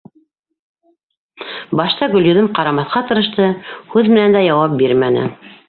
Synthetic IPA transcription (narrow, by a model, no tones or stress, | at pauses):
bɑʃt̪ɑɡɵ̆lʲjɵ̆ðɘmqɑɾɑmɑθqɑt̪ɤ̆ɾɤ̆ʃt̪ɤhʉðmɘ̆nænd̪æjɑwɑp̚biɾmænɘ̰